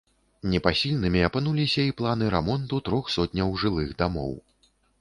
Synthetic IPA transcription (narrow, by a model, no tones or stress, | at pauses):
nʲɛpasʲilʲnɨmʲiɐpɨnulʲisʲɐiplˠanɨɾɛmɔnt̪ut̪ɾɔxsɔt̪̚ʲnʲɐwʐɨlˠɨxd̪amɔ̰w